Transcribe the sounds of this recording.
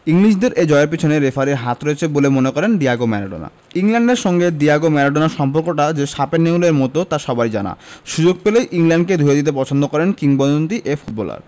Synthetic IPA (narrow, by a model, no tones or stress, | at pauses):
iŋliʃ̬d̪eɾʔed͡ʑɔeɾp̬it͡ɕʰoneɾefʰaɾeɾɦat̪ʰɾoet͡ɕʰebolemonekɔɾenɖiaɡomɛɾaɖo̰na̰ | iŋlɛɳɖeɾʃɔŋɡeɖiaɡomɛɾaɖonaɾʃɔmpoɾkoʈad͡ʑeʃapenːeuleɾmɔt̪ot̪aʃɔbajd͡ʑana̰ʃud͡ʑoɡ̚pelejʔiŋlɛɳɖ̚ked̪ʱuɾed̪it̪̬epɔt͡ɕʰond̪okɔɾenkiŋbɔd̪ont̪iʔefʰuʈ̚bɔla̰ɾ